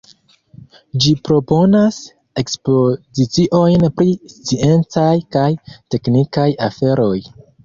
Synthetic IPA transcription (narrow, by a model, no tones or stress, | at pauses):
d͡ʒipɾo̞po̞nas | e̞kspo̞zit͡siʔo̞jnpɾist͡sie̞nt͡sajkajte̞knikajafe̞ɾo̞j